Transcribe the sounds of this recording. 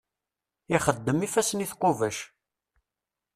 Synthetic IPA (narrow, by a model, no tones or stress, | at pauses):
iχəd̪ːəmifæsəniθqovæʃ